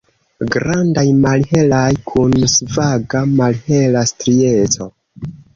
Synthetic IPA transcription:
ɡɾandajmalhe̞lajkʰunsvaɡamalhe̞lastɾie̞t͡so̞

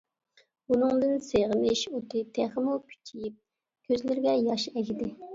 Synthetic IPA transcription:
unɨŋd̪ɨnseʁənɪʃot̪ʰɨt̪ʰæχɪmukʲʰy̥t͡ʃʲʰijip̚ | kʲʰøzlɪɾɡʲɛjɑʃɛkʲid̪ɪ

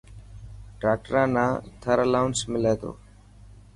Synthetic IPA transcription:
ʈɾaːk̚ʈəɾãːnãːt̪ʰəɾəlaʊnsmɪleːd̪o̰ː

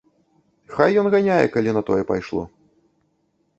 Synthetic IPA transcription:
xajːɔnɣanʲajɛ̰kalʲinɐt̪ɔjɛpa̰jʂlˠɔ̰

